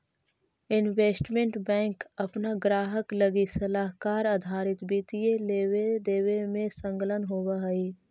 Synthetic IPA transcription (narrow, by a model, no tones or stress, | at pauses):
ɪnʋeːsʈmẽɳʈbɛ̃ːŋkɐpnaɡɾaːɦəkləɡisəlaːɦkaːɾaːd̪ʱaːɾɪt̪biːt̪ijeleːwed̪eːwemẽsə̃ŋklənɦoːwaɦɐiː